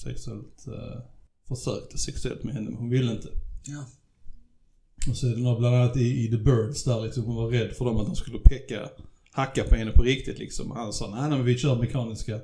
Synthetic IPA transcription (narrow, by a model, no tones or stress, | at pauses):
sɛ̰ksɵɛ̰lt̪ | fœʂø̰ːkt̪ʰə̥sɛksɵɛ̰lt̪mɛhɛnːə̰mhʊnvɪlːəɪnt̪ʰə̥ | ɔsɔæd̪ɛnoːɾabland̪anːat̪ɪːd̪əbœːɖ̪sd̪æɾlɪksɔmhʊnvaɾɛd̪ːfœdɔmat̪̚hʊmskɵlːəpʰɛkːa̰ | hakːapʰɔhɛnːəpʰɔɾɪk̚t̪ɪt̪lɪ̰ksɔ̰mɔ̰hansɑːnæɪnæɪmɛnvɪɕœːɾmɛkʰɑːnɪska